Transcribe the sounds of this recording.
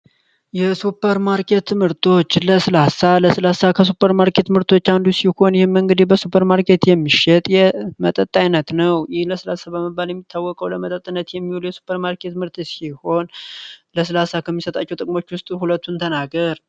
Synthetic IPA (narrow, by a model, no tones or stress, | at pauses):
jɛsupʰːəɾmaɾkʰe̞t̪ʰːɨmɨɾt̪ʰo̞t͡ʃːləsɨlasaləsɨlasakʰəsupʰːəɾmaɾkʰe̞t̪mɨɾt̪ʰo̞t͡ʃːand̪usiho̞njɪhɨmːɨŋɡɨd̪ihbəsupʰːəɾmaɾkʰe̞t̪jɛmːiʃɛt̪ʼjɛmət̪ʼət̪ʼːajnət̪nəwjɪhləsɨlasabəməbːaljɛmːit̪ʰːawːɔkʼəwləmət̪ʼət̪ʼːɨnːət̪jɛmːiholjɛsu̥pʰːəɾmaɾkʰe̞t̪mɨɾt̪siho̞nləsɨlasakʰəmːisət̪ʼat͡ʃːɛwt̪ʼɨkʼmo̞t͡ʃːwʊst̪ʼhulət̪ːunt̪ʰənaɡəɾ